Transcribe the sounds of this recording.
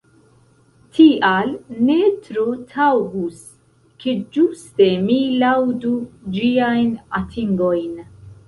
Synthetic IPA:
tʰiʔalne̞tɾotʰawɡus | kʰe̞d͡ʒuste̞milawdud͡ʒiajnatʰiŋɡo̞jn

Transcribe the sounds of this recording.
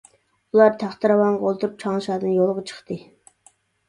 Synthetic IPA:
ulˠɑɾt̪ʰæχt̪ɨɾɑwɑnʁɑolˠt̪ʰuɾup̚t͡ʃʰɑŋlˠɨʃɑːd̪ɨnjolˠʁɑt͡ʃʰə̥χt̪ɨ

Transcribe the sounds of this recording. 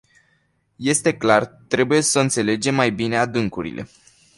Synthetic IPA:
je̞st̪e̞klart̪ɾe̞buje̞səɨnt̪se̞le̞d͡ʒe̞mːajbine̞ad̪ɨŋkuɾḭlʔe̞̰

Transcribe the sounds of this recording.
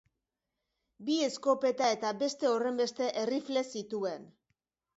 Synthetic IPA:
bie̞sko̞pe̞t̪ae̞t̪abe̞st̪e̞o̞re̞mbe̞st̪e̞ʔerifle̞sit̪ue̞n

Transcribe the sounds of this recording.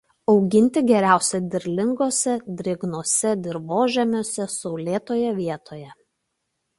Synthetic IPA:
ɒʊɡʲɪnʲt̪ʲɪɡʲɛɾʲæˑʊsʲɛd̪ʲɪɾʲlʲɪŋɡoːsʲɛd̪ʲɾʲɪɡnoɔsʲɛd̪ʲɪɾʋoːʒʲɛmʲoːsʲɛsɔʊlʲeːt̪oːjɛʋʲiɛt̪oːjɛ

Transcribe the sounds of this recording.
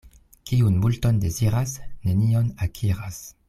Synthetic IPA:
kiunmulto̞nde̞ziɾasne̞nio̞nakʰiɾas

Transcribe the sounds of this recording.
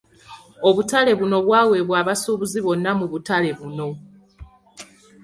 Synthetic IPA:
oβutale̞βuno̞βwaːwe̞βwaːβasuːβuziβo̞nːamuβutale̞βuno̞

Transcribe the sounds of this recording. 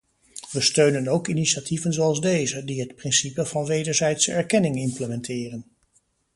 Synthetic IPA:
ʋəstøɥnənowkiniʃativənzowɑlˠzdejzədiɦətprɪnsipəvɑnʋejdəɹzɛjtsəɛɹkɛnɪŋɪmpləmɛntʰɪːrən

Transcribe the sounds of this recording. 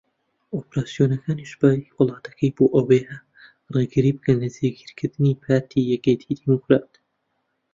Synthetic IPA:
ʔopɾaːsijonɐkʰaːniʃb̥aːjiwɨlˠɑːt̪ɐ̥kʰɐjboːʔoweha | reɡɨɾiːbɨkɐnlɐzeːɡiɾkʰɨɾd̪ɨnipʰaːɾt̪ʰijɛkeːt̪ʰid̪imokɾaːt̪

